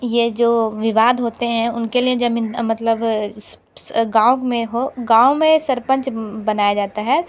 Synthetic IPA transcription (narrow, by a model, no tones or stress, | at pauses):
jed͡ʒoːʋɪʋaːd̪ɦoːt̪eɦɛ̃ʊnkelied͡ʒɐbɪ̃mɐt̪ləb | ɡãːkmẽɦoɡãːomẽsɐɾpə̃ɲt͡ʃbɐnaːjad͡ʒaːt̪aɦɛː